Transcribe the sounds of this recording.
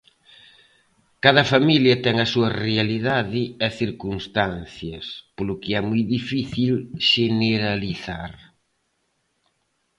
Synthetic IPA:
kaðɐfamiljɐt̪ɛŋɐsuɐrealiðaðɪɐθiɾkunst̪anθjɐspolʊkɪɛmujðifiθilʃeneɾaliθa̰ɾ

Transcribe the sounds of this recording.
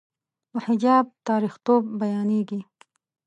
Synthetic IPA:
wahɪd͡ʒɑːb̚t̪ɑːɾixt̪obːajɑːneɡi

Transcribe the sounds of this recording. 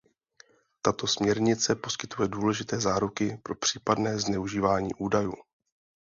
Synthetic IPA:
t̪at̪o̞smɲɛɾɲɪt͡sɛpo̞skɪt̪ujɛduːlɛʒɪt̪ɛːzaːɾukɪpɾo̞pr̝̥iːpadnɛːznɛuʒiːvaːɲḭːʔuːdajṵː

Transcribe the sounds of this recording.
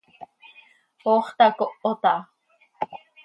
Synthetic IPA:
oːχt̪ɑkoʔot̪ɑ

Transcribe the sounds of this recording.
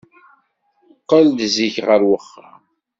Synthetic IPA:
qːəlːziçʁəɾwəχːa̰

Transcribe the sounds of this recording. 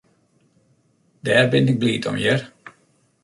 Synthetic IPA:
dɛːrbɪnɪɡ̚bliːtɔ̰mjər

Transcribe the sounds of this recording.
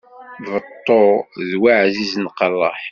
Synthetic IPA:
vət̪ˤːoðwaʕziznqɑlˤːɑħ

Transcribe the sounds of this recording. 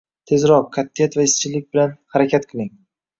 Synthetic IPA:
t̪ʰe̞zɾɒqːʰat̪ʰːijat̪vaɪst͡ʃʰɪlɪk̚ʲbɪlanhaɾakʲʰat̪qʰɨlˠɪŋ

